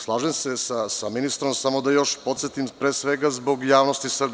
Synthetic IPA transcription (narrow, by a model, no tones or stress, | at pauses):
slˠaːʒemsesasaminist̪ɾo̞msamo̞d̪ajo̞ʃpo̞t̪set̪impɾesʋeɡazbo̞ɡjaːʋnost̪isrb